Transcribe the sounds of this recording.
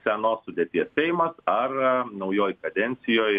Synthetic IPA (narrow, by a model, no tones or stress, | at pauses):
sʲɛnoːsːʊd̪ʲeːt̪ʲiɛssʲɛɪmɐsɐrnɒʊjoːjkɐd̪ʲɛnʲt̪sʲɪjoːj